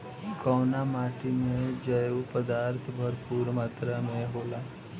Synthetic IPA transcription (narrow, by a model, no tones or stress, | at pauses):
kɔʋnamaːʈimẽd͡ʒəjupəd̪aːɾt̪ʰbʱəɾpuːɾmaːt̪ɾamẽɦoːla